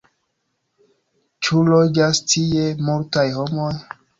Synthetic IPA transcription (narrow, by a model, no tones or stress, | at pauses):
t͡ʃulod͡ʒastʰiemultajhomoj